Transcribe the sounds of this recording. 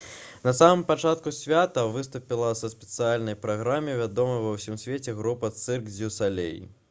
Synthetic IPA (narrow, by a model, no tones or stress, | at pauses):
nɐsamɨmpat͡ʂat̪kusʲvʲat̪ɐvɨst̪upʲilˠɐsɐsʲpʲɛ̥t̪sɨjalʲnɐjpɾaɣɾamʲivʲad̪ɔmɐjvɐwsʲimsʲvʲet͡sʲɛɣɾupɐt̪sɨrɡd͡zʲuwsalʲḛjḭ